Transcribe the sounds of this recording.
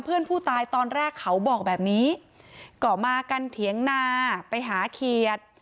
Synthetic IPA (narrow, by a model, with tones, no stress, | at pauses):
mpʰɯ˥˩ənpʰuː˥˩t̪aː˧jt̪ɔː˧nɾɛː˥˩kʰːa˦˥wbɔː˨˩k̚bɛː˨˩p̚niː˦˥ | kɔ˨˩maː˧ka˧nt̪ʰi˩˦əŋnaː˧pa˧jɦaː˩˦kʰi˨˩ət̪̚